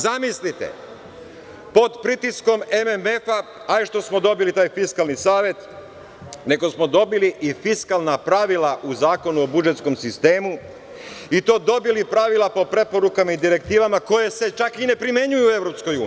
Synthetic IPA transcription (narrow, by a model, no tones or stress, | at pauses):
zamislit̪ḛ | po̞d̪pɾit̪isko̞me̞meme̞fa | aiʃt̪o̞smo̞d̪o̞bilit̪aːjfiskalˠnisaːʋje̞t̪ | ne̞ɡo̞smo̞d̪o̞biliʔifiskalˠnapɾaʋilaʔuzaːko̞nuobud͡ʒet̪sko̞msist̪e̞ːmu | it̪o̞ːd̪o̞bilipɾaʋilˠapo̞pɾe̞po̞ɾukamaid̪iɾe̞k̚t̪iːʋamako̞je̞se̞t͡ʃakine̞pɾime̞ɲujue̞ʋɾo̞psko̞juːn